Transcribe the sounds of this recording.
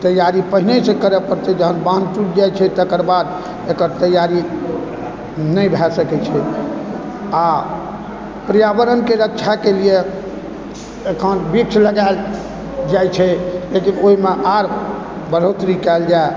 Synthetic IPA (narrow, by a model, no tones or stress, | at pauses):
t̪əjaɾipəɦinesẽkəɾepəɾt̪ɛd͡ʒəɦənbãntuʈd͡ʒajt͡ʃʰɛt̪əkəɾbad̪ | ekəɾt̪əjaɾi | nəjbʱɛsəkɛt͡ʃʰɛ | a | pɾijabəɾənkeɾətːt͡ʃʰakelie | ekʰənbikt͡ʃʰləɡal | d͡ʒajt͡ʃʰɛlekinoɦimeʔaɾ | bəɾ̤əwt̪ɾikald͡ʒae